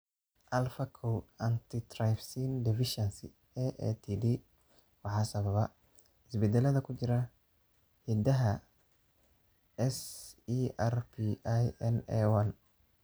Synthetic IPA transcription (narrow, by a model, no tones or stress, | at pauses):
ʔɐlfɐkʰɔwɐnt̪ʰɪd̪rajfsiːnd̪ɪfɪʃɛnsɪ̰ | ɛʔɛ̰t̪ʰid̪i | wɑħɑːsɐβɐβɐ | ɪsbɛd̪ɛlɐðɐkʰʊt͡ʃɪɾɐ | hid̪ɐɦɐ | ɛsiːʔɛrpʰiʔajɛnɛwɐn